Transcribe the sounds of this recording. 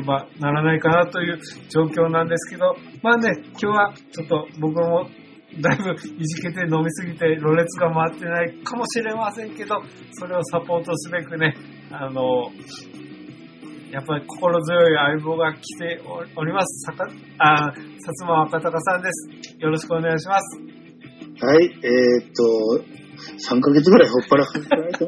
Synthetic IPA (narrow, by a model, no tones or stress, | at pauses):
banaɾanaikanat̪o̞jɯ̟ːd͡ʑo̞ːkʲo̞ːnãnd̪e̞sɨ̥ke̞d̪o̞maːne̞kʲo̞ːβat͡ɕo̞t̪ːo̞bo̞k̬ɯmo̞ | d̪aibɯ̟iʑike̞t̪e̞no̞mʲisɨɡʲit̪e̞ɾo̞ɾe̞t͡sɨɡamaːt̪ːe̞naikʰamo̞ɕiɾe̞masẽ̞ŋke̞d̪o̞ | so̞ɾe̞osapo̞ːt̪o̞sɨbe̞kɯ̟ne̞ | ano̞ | japːaɾʲikʰo̞̥ko̞ɾo̞zɨjo̞iaibo̞ːɡakʲi̥t̪e̞o̞ɾʲimasɨ̥saka | asat͡sɨmaakat̪akasãnd̪e̞sɨ̥jo̞ɾo̞ɕi̥kɯo̞neɡajiɕimasɨ̥ | haieːt̪ːo | sãŋkaɡet͡sɨɡɯ̟ɾaihopːaɾahaztaat̪